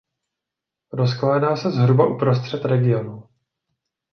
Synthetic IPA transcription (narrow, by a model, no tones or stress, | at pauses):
ɾo̞sklaːdaːsɛzɦɾubaʔupɾo̞st̪r̝̥ɛt̪ɾɛɡɪjo̞nu